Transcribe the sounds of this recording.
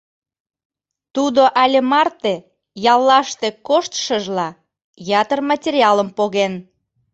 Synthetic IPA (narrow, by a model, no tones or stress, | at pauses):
t̪ud̪oʔælʲemɑrt̪e | jɑlːɑʃt̪ekoʃt̪ʃəʒlɑ | jɑt̪ərmɑtʲeɾʲiɑləmpoɣen